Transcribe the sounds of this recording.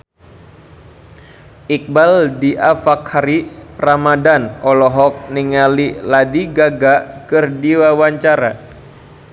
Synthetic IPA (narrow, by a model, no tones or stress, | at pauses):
ʔik̚baldiʔafakhaɾiramadanɔlɔɦɔk̚niŋaliladiɡaɡakɨrdiwawaɲt͡ʃaɾa̰